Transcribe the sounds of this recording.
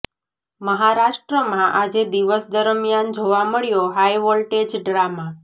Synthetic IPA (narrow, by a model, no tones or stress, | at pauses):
məɦaɾaʃʈɾəmãʔad͡ʒed̪iʋəsd̪əɾmjand͡ʒoʋaməɭjoɦajʋɔlʈed͡ʒɖɾama